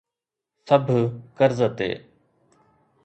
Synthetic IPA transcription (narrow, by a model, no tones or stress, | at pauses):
səbʱkəɾzət̪ḛː